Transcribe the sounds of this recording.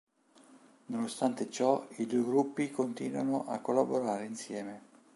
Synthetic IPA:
nonost̪ant̪et͡ʃɔid̪ueɡɾupːikont̪iːnwa̰noʔa̰kːolːaboɾaːɾeinsjɛːme

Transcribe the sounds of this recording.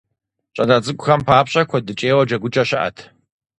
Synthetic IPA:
t͡ʃʼɐnazʼɨkʷʼʊxɐmpʰaːpɕʼɐkʷʰɔdɨt͡ʃʼeːwɐd͡ʒɐɡʷʊt͡ʃʼɐɕɪʔɐ̰tʰ

